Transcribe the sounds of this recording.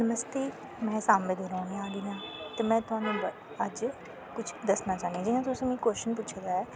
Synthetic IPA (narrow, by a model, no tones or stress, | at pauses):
səməst̪iː | mɛ̃ːsaːmed̪eɾɔːɽ̃ĩaːɡəjãːt̪eːmɛ̃ːt̪ʊɦãːnũːb | əd͡ʒ | kʊt͡ʃʰd̪əsnaːt͡ʃaːnd̪iãd͡ʒɪɦãːt̪ʊsĩːmĩːkoːʃənp̬ʊt͡ʃʰd̪aːɛː